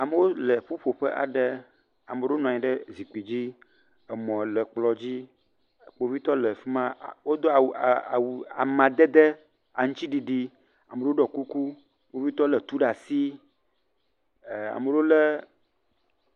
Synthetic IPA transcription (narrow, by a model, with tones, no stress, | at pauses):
a˨mə˦wo˦lə˨ɸo˦ɸo˨ɸə˦ʔa̰˨ɖə˦ | a˨me˨ɖe˦o˦nɔ̃˨ɲĩ˨ɖə˦zi˨k͡pi˨d͡ʑi˦ | ə˨mɔ̃˨lə˨k͡plɔ˨d͡ʑi˦˨ | k͡po˨vi˦t̪ɔ˦lə˨fi˦mã˦˨wo˦d̪o˦a˨wa˨wu˨a˨mã˨d̪e˦d̪e˦ | a˨ŋũ˦t͡ɕi˦ɖi˨ɖi˦ | a˨mə˨ɖe˦o˦ɖɔ˨ku˦ku˦ | k͡po˨˦vi˦t̪ɔ˦lə˨t̪u˦ɖa˨si˦˨ | a̰˨mə˨ɖo˦lə˦